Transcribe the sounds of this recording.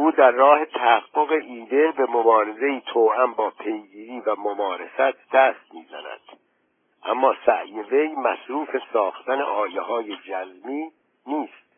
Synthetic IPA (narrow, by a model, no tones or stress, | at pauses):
uːd̪æɾːɒːhe̞t̪ʰæhæɡːoɣe̞ʔiːd̪e̞be̞mobɒːɾeze̞iːt̪ʰoːʔæmbɒːpʰe̞jɡiːɾiːvæmomɒːɾesæt̪ʰd̪̥æːst̪̚miːzæ̰næ̰d̪̥ | ʔæmːɒːsæ̰ʔjeve̞jmæsɾuːfe̞sɒːxt̪ænḛʔɒːjeɦɒːjed͡ʒæzmiː | niːst̪̚